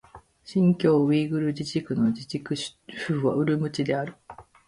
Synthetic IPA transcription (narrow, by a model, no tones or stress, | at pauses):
ɕĩŋkʲo̞ːβiːɡɯ̟ɾɯ̟d͡ʑiʑikɯ̟no̞d͡ʑid͡ʑikɯ̟ɕfɯːβa̰ɯ̟ɾɯ̟mɯ̟t͡ɕid̪e̞aɾɯ̟